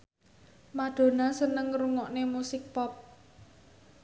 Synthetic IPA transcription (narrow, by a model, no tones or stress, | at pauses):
maɖ̪̥o̤nasənəŋruŋɔʔnemusɪk̚pɔp̚